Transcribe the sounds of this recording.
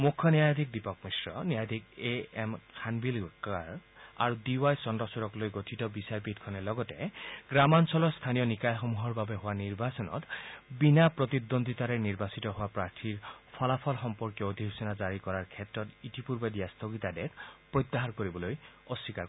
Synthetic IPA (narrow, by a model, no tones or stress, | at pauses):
mukʰːɔnjajd̪ʱik̚dipɔk̚misɹɔ̰njajd̪ʱik̚eemkʰanbilkaɹa̰ɹudiwajsɔndɔsuɾɔklojɡotʰitɔbisaɹbid̪kʰɔnɛlɔɡɔteɡɹamansɔlɔst̪ʰanijɔnikajxɔmuɦɔɹbabeɦʊwaniɹbasɔnɔ̰t̪binapɹɔt̪id̪ond̪it̪aɾeniɹbasitɔɦowapɹaɹtʰiɹpʰɔlapʰɔlxɔmpɔɹkjɔod̪ʱiɦusinazaɹikɔɹaɹkʰɛtɹɔtitipuɹbɔdijast̪ʰoɡit̪adek̚pɹɔjt̪ːaɦaɹkoɹibɔlojɔsːika